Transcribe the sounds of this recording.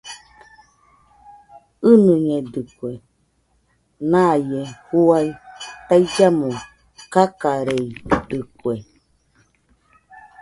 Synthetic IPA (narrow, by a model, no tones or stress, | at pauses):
ɨnɨɲed̪ɨkʷe | nãjehuait̪aid͡ʒamõ | kakaɾeid̪ɨkwe